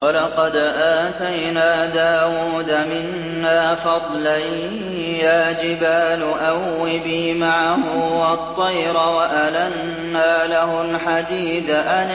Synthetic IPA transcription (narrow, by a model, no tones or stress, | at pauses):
wɑlɑqɑd̪ʔaːt̪ajnaːd̪aːwuːd̪amɪnː | aːfɑd̪ˤlaj | jaːd͡ʒɪbaːlʊʔawːɪbimaʕahʊwɑt̪ˤːɑjɾɑwaʔalanː | aːlaɦʊlħad̪iːd̪aʔan